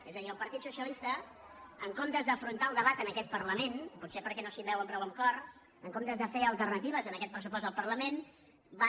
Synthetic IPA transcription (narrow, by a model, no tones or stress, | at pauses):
ezəðiəlˠpəɾt̪it̪susiəlist̪ə | əŋkomt̪əzðəfɾunt̪aəlˠd̪əβat̪ənəkɛt̪̚pərləmenput̪sepəɾkɛnosimbɛwəmpɾɔwəŋkɔr | əŋkomt̪əzðəfeəlˠt̪ərnət̪iβ̞əzənəkɛt̪̚pɾəsupɔst̪əlˠpəɾləmen | ba